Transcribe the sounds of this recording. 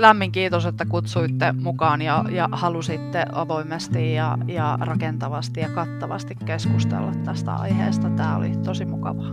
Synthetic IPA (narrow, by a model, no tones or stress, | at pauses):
læmːiŋkiːt̪oset̪ːækut̪suit̪ːemukɑːnjɑjɑhɑlusit̪ːeʔʔɑʋoimest̪ijjɑ̰jɑrɑkent̪ɑʋɑst̪ijɑkɑt̪ːɑʋɑ̰st̪ikkeskust̪ḛlːɑt̪tːæst̪æ̰ɑ̰ihḛːst̪ɑt̪æːo̰lḭt̪osimukɑ̰ʋɑ